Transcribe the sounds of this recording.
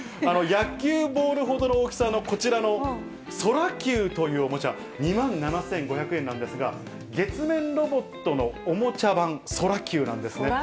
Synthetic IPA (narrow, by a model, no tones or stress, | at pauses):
ano̞jakʲːɨːbo̞ːɾɯ̟ɦo̞d̪o̞nooːkʲi̥sano̞ko̞t͡ɕiɾano̞ | so̞ɾakʲɨːt̪o̞jɯ̟ːomo̞t͡ɕa | ɲ̟imãnnanasẽ̞ŋɡo̞çakɯ̟ẽ̞nːãnd̪e̞sɨɡa | ɡe̞t͡sɨmẽ̞nɾo̞bo̞t̪ːo̞no̞ːmo̞t͡ɕabãŋ̃so̞ɾakʲɯːnã̰nd̪e̞sɨne